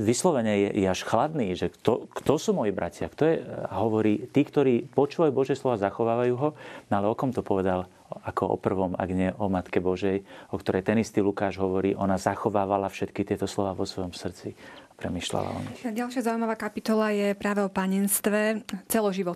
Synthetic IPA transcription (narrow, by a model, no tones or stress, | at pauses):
ʋislɔʋɛɲɛjɛ̰jɛaʃxlad̪niːʒɛkt̪ɔkt̪ɔsuːmɔjibɾʔa̰cɪakt̪ɔjɛaɦɔʋɔɾiːt̪iːkt̪ɔɾiːpɔt͡ʃuʋajuːbɔʒjɛslɔʋaːzaxɔʋaːʋajuːɦɔnalɛɔkɔmt̪ɔpɔʋɛd̪al | akʰɔɔ̰pr̩ʋɔma̰ɡɲɪɛʔɔmat̪kɛbɔʒɛjɔkt̪ɔɾɛjt̪ɛnist̪iːlukaːʒɦɔʋɔɾiːʔɔnazaxɔʋaːʋalafʃɛt̪kit̪ɪɛt̪ɔslɔʋaːʋɔsʋɔjɔmsr̩t͡siapɾɛmiːʃla̰la̰ɔ̰niɟalʃjazaːuimaʋaːkapit̪ɔlajɛpɾaːʋɛɔpaɲɛnst̪ʋɛt͡sɛlɔʒiʋɔt̪